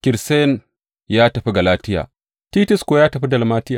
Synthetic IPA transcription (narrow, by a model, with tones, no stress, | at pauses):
kʲɪ˨ɾse˦n | jaː˦tɐ˨ɸi˦ɡɐ˨laː˦tɪ˦ja̰ː˨ | ti˦tɪ˦skoː˨jaː˦tɐ˨ɸi˦dɐ˨lmaː˦tɪ˦jaː˨